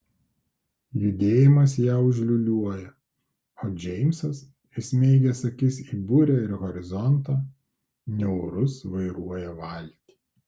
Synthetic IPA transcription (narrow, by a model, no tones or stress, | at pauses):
jʊd̪ʲeːjɪmɐs̬jæːʊʒʲlʲʊlʲuɔjɛ | oːd͡ʒʲɛɪmʲsɐs | ɪsʲmʲɛɪɡʲɛsɐkʲɪsiːbʊɾʲɛɪɾɣɔɾʲɪzɔnt̪ɐː | nʲɛʊɾʊsʋɐɪɾuɔjɛʋɐlʲˑt̪ʲi̥ː